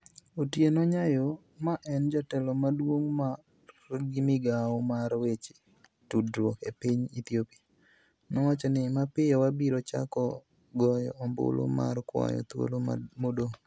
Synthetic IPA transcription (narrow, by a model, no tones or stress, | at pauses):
otjenɔɲajo | maʔɛnd͡ʒatɛlɔmadwoŋma | ɡɪmɪɡaɔmaɾwet͡ʃe | tudɾokepiɲit̪iopi | nɔwat͡ʃɔnɪmapɪjɔwabiɾot͡ʃa̰kɔ | ɡɔjɔ̰ɔmbʊ̰lo̰ma̰rkwa̰jɔ̰t̪wo̰lo̰modo